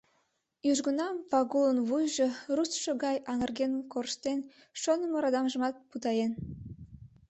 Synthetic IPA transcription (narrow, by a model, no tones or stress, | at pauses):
jyʒɡənɑmvɑɣulənβujʒorusʃoɣɑjɑŋərɣenkorʃt̪en | ʃonəməɾɑd̪ɑmʒəmɑt̪̚put̪ɑjen